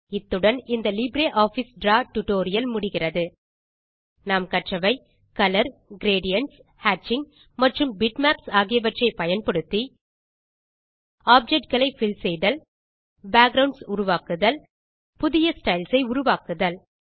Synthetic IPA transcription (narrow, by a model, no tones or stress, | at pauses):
ɪt̪ːɯɽɐnɪnd̪ɐlɪbɾeːʔaːfisɖɾaːʈʊʈoːɾɪjɐlmʊɽɪɣɪrɐðɯ | naːmkɐʈrɐʋɐɪ | kɐlɐɾɡɪɾeːɽɪjɐɳs | haːt͡ʃːɪŋ | mɐʈrɯmbɪʈmaːpsaːɣɪjɐʋɐʈrɐɪpɐjɐnpɐɽɯt̪ːi | aːp̚d͡ʒɛk̚ʈ̚ɡɐɭɐɪfɪlsɛjðɐl | baːɡɾɐʊɳɖsʊɾʊʋaːkɯðɐl | pʊðɪjɐsʈɐɪlsɐɪʊɾʊʋaːkɯðɐl